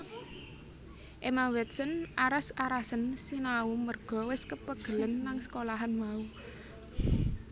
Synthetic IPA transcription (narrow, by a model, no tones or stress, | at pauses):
ʔemawɛt̪̚sənʔaɾasaɾasənsinaumərɡ̥ɔ̤wɪskəpəɡ̥ə̤lənːaŋsə̥kolaɦanmau